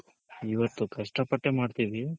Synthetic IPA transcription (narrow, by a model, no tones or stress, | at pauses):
iʋɐt̪ːukɐʂʈɐpɐʈːemaːɖt̪iʋi